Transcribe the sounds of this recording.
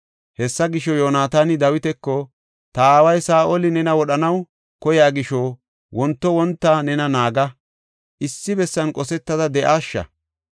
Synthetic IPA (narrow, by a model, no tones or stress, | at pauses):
hɛsːɐɡɪʃɔjoːnaːt̪aːnɪd̪ɐwɪt̪ɛkːɔ | t̪ɐaːwɐjsaːʔɔlɪnɛnɐwɔɗɐnɐw | kɔjaːɡɪʃɔ | wɔnt̪ːɔwɔnt̪ːaːnɛnɐnaːɡɐ | ʔɪsːɪbɛsːɐnkʼɔsɛt̪ːɐd̪ɐd̪ɛʔaːʃːɐ̰